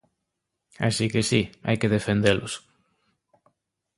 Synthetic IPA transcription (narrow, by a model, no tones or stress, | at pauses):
a̰sikɪsia̰jkɪðefend̪elʊ̰s